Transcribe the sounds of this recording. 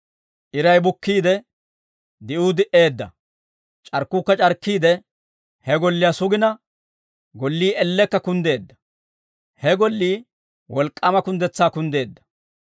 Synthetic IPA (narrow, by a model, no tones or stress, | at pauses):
ʔɪɾɐjbʊkːiːd̪ɛ | d̪ɪʔuːd̪ɪʔe̞ːd̪ːɐ̰ | t͡ʃʼɐɾkːʊkːɐt͡ʃʼɐɾkːiːd̪ɛ | hɛɡɔlːɪjasʊɡɪnɐ | ɡɔlːiːʔɛlːɛkːɐkʊnd̪e̞ːd̪ːɐ̥ | hɛɡɔlːiː | wɔlkʼːɐmɐkʊnd̪ɛt͡sːaːkʊnd̪e̞ːd̪ːɐ̥